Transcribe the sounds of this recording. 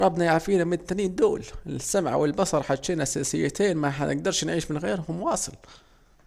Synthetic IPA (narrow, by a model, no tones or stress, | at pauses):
ɾˤɑbːnajaʕfiːnæmɪt̪ːæniːnd̪uːlsːamʕa̰wɪlbɑsˤɑɾˤħaʃeːnʔæsæsɪjːæt̪iːnmæħanʔɪ̰ɡ̚d̪ɑɾˤʃnʕiːʃmɪnɣiːɾɦʊmwɑːsˤɨl